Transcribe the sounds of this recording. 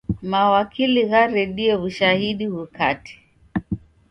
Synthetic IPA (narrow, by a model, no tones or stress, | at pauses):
mawakʰiliɣaɾɛɗiɛβuʃahiɗiɣukati̥